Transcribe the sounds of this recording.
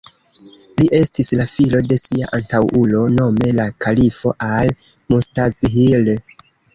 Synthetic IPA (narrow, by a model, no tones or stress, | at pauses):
liʔe̞stislafilo̞de̞siaʔantawʔulo̞no̞me̞lakʰalifo̞ʔalmustazɦil